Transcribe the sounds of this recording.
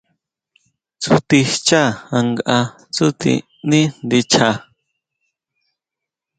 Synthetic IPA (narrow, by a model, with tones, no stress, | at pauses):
t͡su˨t̪i˧t͡ʃa˦a˧ŋɡʔa˧ | t͡su˦t̪ḭ˧ | nĩ˦nd̪i˧t͡ʃʰa˧